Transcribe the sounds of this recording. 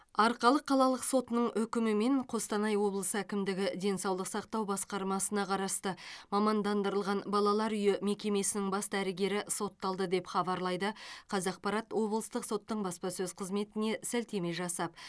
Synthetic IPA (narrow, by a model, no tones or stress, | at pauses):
ɑɾqɑlˠəqʰːɑlˠɑlˠəqso̞t̪ənəɴʔʏkʲɪmɪme̞ɴqʰo̞st̪ɑnɑjwo̞blˠəsəækʲɪmd̪ɪɡʲɪd̪e̞nsɑwlˠəqsɑqt̪ɑwbɑsqɑɾmɑsənɑqʰɑɾɑst̪əmɑmɑnd̪ɑnd̪əɾəlˠʁɑnbɑlˠɑlˠɑɾʏjɪme̞kʲe̞me̞sɪnɪŋbɑsd̪æɾɪɡʲe̞ɾɪso̞t̪ːɑlˠd̪əd̪e̞pχɑbɑɾlˠɑjd̪əqʰɑzɑq̚pɑɾɑt̪wo̞blˠəst̪əqso̞t̪ːəɴbɑspɑsɵzqʰəzme̞t̪ɪne̞sælt̪e̞me̞ʒɑsɑp̚